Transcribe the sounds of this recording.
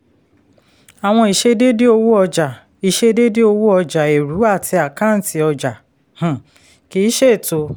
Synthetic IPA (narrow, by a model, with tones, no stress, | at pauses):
a˨w̃ɔ̃˧i˨ʃe˧de˦de˦o˧wu˦ɔ˧d͡ʒa˨ | i˨ʃe˧de˦de˦o˧wu˦ɔ˧d͡ʒa˨e˨ɾu˨˦a˦˨tʰi˧a˨kã˦n̩˨ti˧ɔ˧d͡ʒa˨ | h̩˨ | ki˨˦ʃe˦˨to˧˦